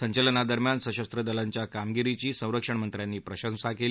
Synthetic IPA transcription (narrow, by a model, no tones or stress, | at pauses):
səɲt͡ɕələnad̪əɾmjansəɕəst̪ɾəd̪əlaɲt͡ɕjakamɡiɾit͡ɕiːsə̃w̃ɾəkʂəɳmənt̪ɾjanːiːpɾəɕə̃nsakeli